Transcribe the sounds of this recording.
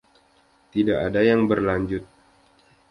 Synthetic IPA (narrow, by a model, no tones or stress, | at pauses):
t̪idaʔadajaŋbərlaɲd͡ʒʊt̪̚